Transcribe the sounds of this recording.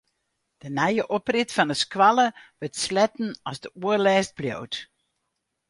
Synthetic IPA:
d̥ənɛjəʔɔprɪtfɔndəskʋaləʋøtslɛtn̩ɔsdəuərlɛːst̚bljo̰wt

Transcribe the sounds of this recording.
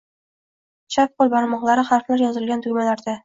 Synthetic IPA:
t͡ʃʰap̚qolˠbaɾmɒʁlˠaɾɪχaɾflaɾjɒzɪlɡʲant̪ʰɵmalaɾd̪a

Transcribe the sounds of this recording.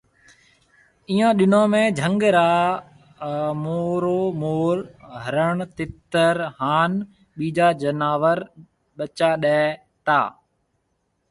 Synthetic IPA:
iːãːɗɪnãːmẽːd͡ʒʱə̃ŋɡɾaː | moːɾoːmoːɾɦəɾəɳ̃t̪ɪt̪əɾhaːn | ɓiːd͡ʒaːd͡ʒənaːʋəɾ | ɓət͡ʃaːɗɛ̃ː | t̪a̰ː

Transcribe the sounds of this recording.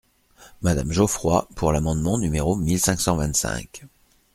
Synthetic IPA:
mad̪a̰mʒofχwapʰuʁlamɑ̃d̪mɑ̃nymeʁomilsɛ̃ksɑ̃vɛ̃t̪sɛ̰̃k

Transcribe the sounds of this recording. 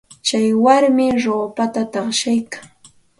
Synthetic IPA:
t͡ʃajwaɾmɪɾoːpat̪at̪ɑχʃajkaŋ

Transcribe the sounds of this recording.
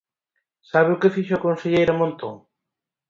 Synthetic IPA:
saβeʊkefiʃʊakonseʎejɾamõnt̪oŋ

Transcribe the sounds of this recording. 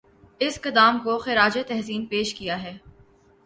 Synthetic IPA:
ɪskɐd̪aːmkoxɪɾaːd͡ʒet̪ɛɦsiːnpeːʃkijaɦɛː

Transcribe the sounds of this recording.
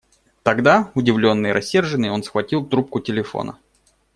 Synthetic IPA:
t̪ɐɡd̪aʊdʲɪvlʲo̞nːɨjɾʔɐ̰sʲːe̞rʐɨnːɨjo̞nsxvɐtʲilˠt̪ɾup̚kʊtʲɪlʲɪfo̰nə̰

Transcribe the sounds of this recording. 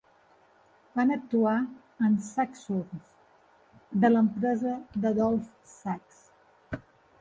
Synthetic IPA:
banək̚t̪ua | ənsaksurs | d̪ələmpɾɛzəðəðɔlˠf | saks

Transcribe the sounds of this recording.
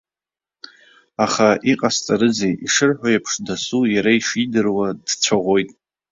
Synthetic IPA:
aχaiqʼast͡sʼaɾɨd͡zejiʂɨrħʷᶣojapʰʂdasujaɾaiʂidɨrwadt͡ɕʷʰaʁʷojtʼ

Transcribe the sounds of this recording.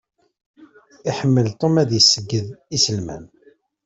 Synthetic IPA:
iħəmːəlt̪ˤomæðjəsːəɡːəðisəlmæ̰n

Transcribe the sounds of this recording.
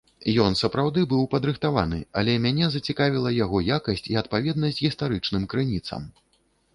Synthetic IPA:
jɔnsɐpɾawd̪ɨbɨwpɐd̪ɾɨxt̪ava̰nɨ̰ɐ̰lʲɛmʲanʲɛzɐt͡sʲikavʲilˠɐjaɣɔjakɐsʲt͡sʲiɐt̪̚pavʲɛd̪nɐsʲt͡sʲɣʲist̪aɾɨt͡ʂnɨmkɾɨnʲit̪sɐ̰m

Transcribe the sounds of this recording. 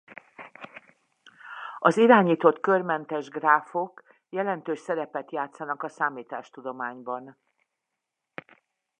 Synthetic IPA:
ɒziɾaːɲiːt̪o̞t̪kørmɛnt̪ɛʒɡraːfo̞k | jɛlɛnt̪øːʃsɛɾɛpɛt̪jaːt̪sɒnɒkɒsaːmiːt̪aːʃt̪ud̪o̞maːɲbɒn

